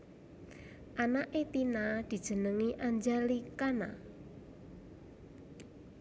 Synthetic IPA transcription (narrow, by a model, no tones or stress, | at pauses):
ʔanaʔet̪inad̪̥i̤d̥ʒ̥ə̤nəŋiʔaɲd͡ʒalikana̰